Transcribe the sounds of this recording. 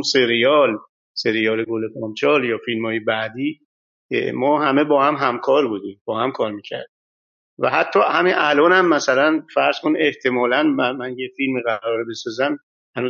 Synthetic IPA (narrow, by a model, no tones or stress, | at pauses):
seɾijɒl | se̞ɾijɒːleɡolepʰɒmt͡ʃʰɒːljɒːfilmhɒːjebæd̪iː | mɒːɦæme̞bɒːhæmɦæmkʰɒːɾbuːd̪imb̥ɒːhæmkʰɒːɾmiːcʰæ̰ɾd̪̥i | væ̰ɦæt̪ʰːɒːhæminʔælɒːnhæmːæsælænfæɾz̥kʰone̞ht̪ʰe̞mɒːlænmæmænjefilmiːɣæɾɒːɾebe̞sɒːzæm | hænu